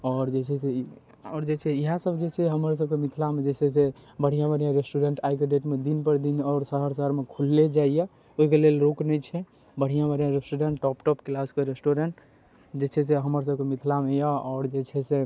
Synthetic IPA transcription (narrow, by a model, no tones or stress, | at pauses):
ɔɾd͡ʒet͡ʃʰɛse | ɔːɾd͡ʒet͡ʃʰɛiɦasəbʱd͡ʒet͡ʃʰɛɦəməɾs̬əbkemit̪ʰlamed͡ʒet͡ʃʰɛs̬e | bəɽ̤ijãbəɾjãɾesʈuɾeɳʈajk̬eɖeʈmed̪inpəɾd̪inɔːɾsəɦəɾsəɦəɾmekʰulːed͡ʒaijɛ | oɦikelelɾoknɛjt͡ʃʰɛ | bəɽ̤ijãbəɾijãɾesʈuɾeɳʈːɔpʈɔpklaskeɾesʈoɾeɳʈ | d͡ʒet͡ʃʰɛs̬eɦəməɾs̬əbkemit̪ʰlamejaɔːɾd͡ʒet͡ʃʰɛse